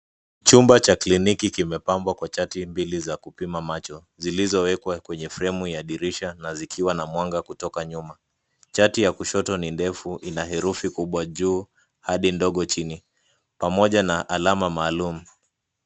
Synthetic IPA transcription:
t͡ʃumbat͡ʃaklinikikimɛpambwakwat͡ʃatimbilizakupimamat͡ʃɔ | zilizɔwɛkwakwɛɲɛfɾɛmujaɗiɾiʃanazikʰiwanamwaŋɡakutɔkaɲuma | t͡ʃatijakuʃɔtɔnindɛfuʔinaɦɛɾufikuɓwaʄuː | haɗindɔɠɔt͡ʃini | pamɔʄanaʔalamamaːlumu

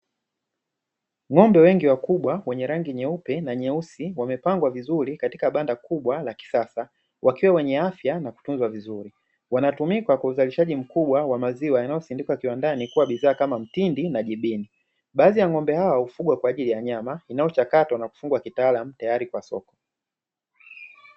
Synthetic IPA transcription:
ŋɔmbɛwɛŋɡiwakuɓwawɛɲɛɾaŋɡiɲɛupɛnaɲɛusiwamɛpaŋɡwavizuɾikati̥kaɓandakuɓwalaki̥sasa | wʔakiwawɛɲɛafjanaku̥tunzwavizuɾi | wanatumikakwauzaliʃaʄim̩kuɓwawamaziwajanajɔsindikwakiwandanikuwaɓiðaːkamam̩tindinaʄiɓini | ɓaːðijaŋɔmbɛhawahufuɡwakwaːʄilijaɲamainajɔt͡ʃakatwanaku̥fuŋɡwakitaːlam̩tajaɾikwasɔ̰kɔ̥

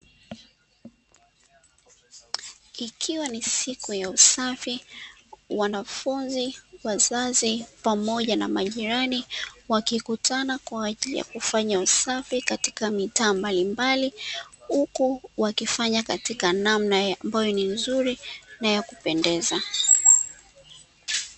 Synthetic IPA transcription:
ikʰiwanisikujausafi | wanafunziwazazipamɔʄana̰maʄiɾaniwakikutʰanakwaːʄilḭja̰kufaɲausafikati̥kamitaːmbalimbalihukuwakifaɲakatikanamnajambajɔninzuɾinajakupɛndɛza

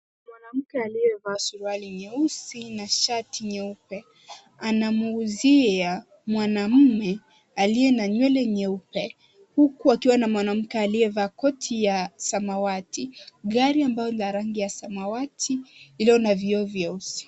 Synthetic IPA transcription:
mwanam̩kɛalijɛvaːsuɾualiɲɛusinaʃatʰiɲɛupɛ | anamuːzia | mwanam̩mɛ | alijɛnaɲwɛlɛɲɛupɛ | hukuakiwanamwanam̩kɛaliɛvaːkɔtʰijasamawatiɠaɾiambajɔnizaɾaŋɡijasamawatʰiilɔnaviɔvjɛusi̥

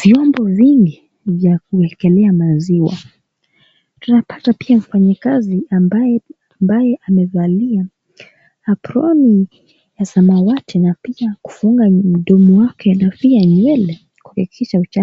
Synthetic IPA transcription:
viwambɔviŋɡi | vjak̚uɛŋkɛlɛamaziwa̰ | tunapatapiam̩faɲakaziambaj | mbajɛʔamɛvalia | apɾɔni | jasamawatʰɛnapiaku̥fuŋɡam̩ɗɔmuwakʰɛnapiaɲwɛlɛ | ku̥kikʰiʃaut͡ʃa

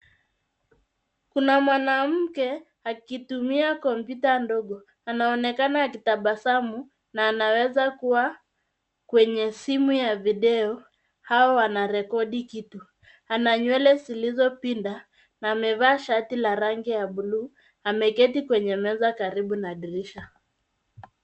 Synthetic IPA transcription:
kunamwanam̩kɛ | akitumiakɔmpjutandɔɠɔ | anaɔnɛkanaːkitaɓasamu | naːnawɛzakuwa | kwɛɲɛsimujaviɗɛɔ | haɔwanaɾɛkɔɗikitu | anaɲwɛlɛzilizɔpinda | naːmɛvaːʃatilaɾaŋɡijaɓuluː | amɛkɛtikwɛɲɛmɛzakaɾiɓunaɗiɾiʃa

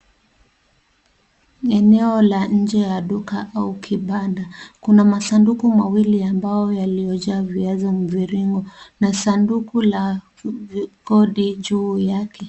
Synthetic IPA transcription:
ɛnɛɔlaɲ̩d͡ʒɛjaɗukaʔaukʰiɓadakunamasandukumawiliambajɔjalijɔʄaːviazɔm̩viɾiŋɡɔnasandukula | kɔɗiʄuːjakʰɛ

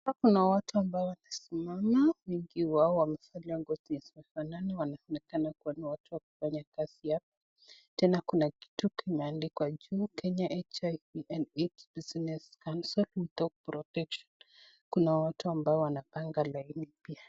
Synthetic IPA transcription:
akunawatuambaɔwanasimamawɛŋɡiwaɔwamɛfaliaŋɡɔziɛsimɛfananiwanaɔnɛkanakuɔniwatuwaku̥faɲakazijap̚ɔ̥ | tɛnakunaki̥tukʰimɛandikwad͡ʒuːkɛɲaʔɛt͡ʃajviʔɛnetsbiznɛskansɔlmut̪ɔk̚pɾɔtɛkʃɔn | kunawatuambaɔwanapaŋɡalainipia

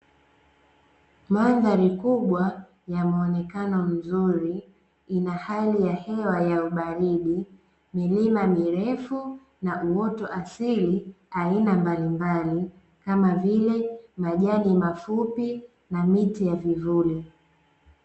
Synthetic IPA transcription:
manðaɾikuɓwa | jamuɔnɛkanɔm̩zuɾi | inahalijahɛwajauɓaɾiɗi | milimamiɾɛfu | naʔuwɔtɔʔasili | ainambalimbali | kamavilɛmaʄaɗimafupi | namitijavivuli

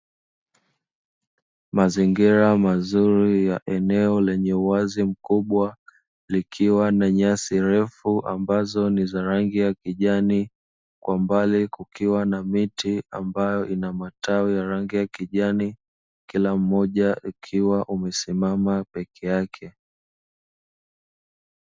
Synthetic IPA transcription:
maziŋɡiɾamazuɾijaʔɛnɛɔlɛɲɛuwazim̩kuɓwa | likʰiwanaɲasiɾɛfuʔa̰mbazɔnizaɾaŋɡijakiʄani | kwambalikukʰiwanamitia̰mbajɔʔinamataujaɾaŋɡijakiʄani | kilam̩ːɔʄaʔukʰiwaʔumɛsimamapɛkʰɛjakʰɛ

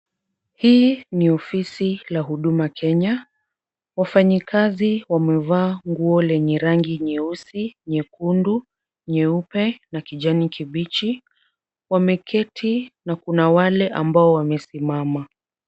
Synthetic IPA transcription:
hiːniɔfisilaɦuɗumakʰɛɲa | wafaɲikaziwamɛvaːŋɡuɔlɛɲɛɾaŋɡiɲɛusiɲɛkundu | ɲɛupɛnakiʄanikʰiɓit͡ʃi | wamɛkʰɛtʰinakunawalɛʔa̰mbaɔwamɛsimama

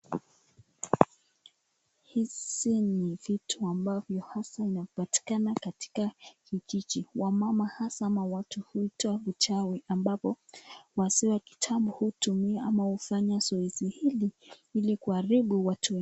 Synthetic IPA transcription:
hisinivitʰuambavjɔhasainavɔpati̥kanakati̥kakit͡ʃit͡ʃiwamamahasaamawatuhuitɔavut͡ʃawiʔambapɔwasiwaki̥tʰaɓuhutumiaamahufaɲazɔizihiliilikuaɾiɓuwatʰuɛ

